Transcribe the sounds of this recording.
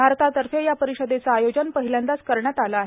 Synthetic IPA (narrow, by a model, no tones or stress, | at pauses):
bʱaɾt̪ʰat̪əɾfejapəɾiɕəd̪et͡saːjod͡ʑənpəɦiljand̪askəɾɳjat̪alaːɦe